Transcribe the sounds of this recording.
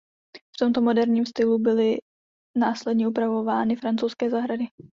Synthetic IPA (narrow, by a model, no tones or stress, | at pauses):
ft̪o̞mt̪o̞mo̞dɛɾɲiːmst̪ɪlubɪlɪ | naːslɛdɲɛʔupɾavo̞vaːnɪfɾant͡sowskɛːzaɦɾadɪ